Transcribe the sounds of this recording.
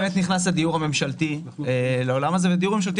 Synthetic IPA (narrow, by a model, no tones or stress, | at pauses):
met̪niχnas̬ad̪ijuʁame̞mʃalti | leo̞lamazeved̪ijuʁmemʃalt̪̬i